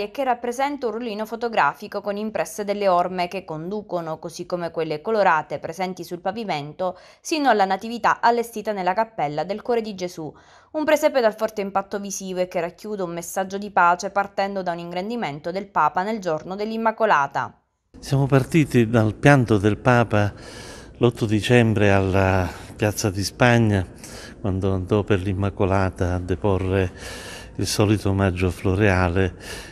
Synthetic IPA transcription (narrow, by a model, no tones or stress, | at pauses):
ekːerːapːɾezɛnt̪aunroliːnofot̪oɡɾaːfikokonimpɾɛsːed̪elːeɔrmekekːond̪uːkonokozikːomekwelːekoloɾaːt̪epɾezɛnt̪isulpaviment̪o | sinoalːanat̪ivit̪a̰ʔalːest̪iːt̪anelːakapːɛlːad̪elkwɔːɾed̪id͡ʒezu | umpɾesɛpːed̪alfɔrt̪eimpat̪ːovisiːvoekːerːakːjuːd̪eumːesːad͡ʒːod̪ipaːt͡ʃepart̪ɛnd̪od̪auniŋɡɾend̪iment̪od̪elpaːpaneld͡ʒornod̪elːimːakolaːt̪a̰ | sjaːmopart̪iːt̪id̪alpjant̪od̪elpaːpa | lɔt̪ːʊd̪it͡ʃɛmbɾealːapjat̪sːad̪ispaɲːa | kwand̪oand̪ɔperlimːakolaːt̪aːd̪epɔrːe | ilsɔːlit̪omad͡ʒːofloɾeaːle